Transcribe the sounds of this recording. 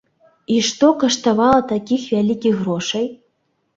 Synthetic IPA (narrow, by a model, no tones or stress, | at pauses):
iʂt̪okɐʂt̪avɑlˠɐt̪akʲixvʲælʲikʲiɣroʂɐj